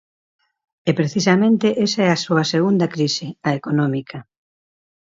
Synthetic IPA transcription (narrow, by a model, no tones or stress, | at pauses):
ɛpɾeθisɐmẽnt̪eʔesaɛɐsoɐseɣund̪ɐkɾisɪɐekonɔmikʰɐ